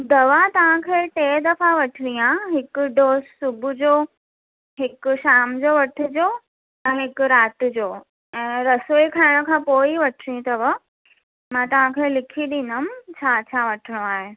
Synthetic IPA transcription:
d̪ɐʋat̪ɐʋ̤ãkʰeːʈeːd̪ɐfaʋɐʈʰɪɾiãɦɪkʊɖoːssʊbʱʊd͡ʑoː | ɦɪkʊʃaːmd͡ʑoːʋɐʈʰɪ̆d͡ʑoː | ɛ̃ːɦɪkʊɾaːt̪d͡ʑoː | ɛ̃ːɾɐsoːikʰaːɪɽ̃kʰãːpoːiʋɐʈʰɪɾĩt̪ɐʋə | mãːt̪ɐʋ̤ãkʰelɪkʰiɗĩːnʊmt͡ɕʰaːt͡ɕʰaːʋɐʈʰɪɽ̃oaːɦe

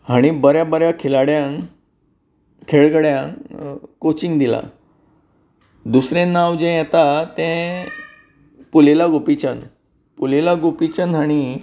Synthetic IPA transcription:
ɦaɽ̃ibəɾjabəɾjakʰelaɽjãŋ | kʰeɭɡəɽjãŋkot͡ɕĩŋɡd̪ila̰ | d̪usɾẽnːawd͡ʑɛ̃jɛt̪at̪ɛ̃ | pulelaɡopit͡ɕən | pulelaɡopit͡ɕənaɽ̃i

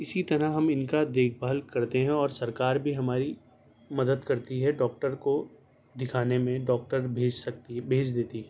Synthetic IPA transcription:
ɪsit̪ɐɾəɦɦɐmɪnkad̪eːkʰbaːlkɐɾt̪eɦɛ̃ɔːɾsɐɾkaːɾbʱiɦɐmaːɾi | mɐd̪əd̪kɐɾt̪iɦɛɖɔːk̚ʈəɾko | d̪ɪkʰaːnemẽɖɔːk̚ʈəɾbʱeːd͡ʒsɐk̚t̪ibʱeːd͡ʒd̪eːt̪iɦɛ̃ː

